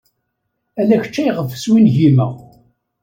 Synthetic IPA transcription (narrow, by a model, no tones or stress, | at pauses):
ælæçə̥t͡ʃːæjʁəvəswinʝimæ̰